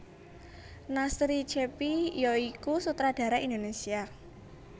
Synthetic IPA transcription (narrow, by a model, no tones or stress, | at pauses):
nasɾit͡ʃepijoikusut̪ɾad̥ä̤ɾaʔind̪onesia